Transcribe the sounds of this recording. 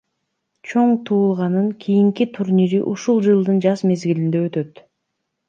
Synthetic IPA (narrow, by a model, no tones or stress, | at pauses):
t͡ʃʰo̞ɴt̪ʰuːlˠʁɑnɯŋkʲʰijiŋkit̪ʰuɾnʲiɾiʔuʃulˠd͡ʒɯlˠd̪ɯnd͡ʒɑzme̞zɡilind̪eøt̪ø̞t̪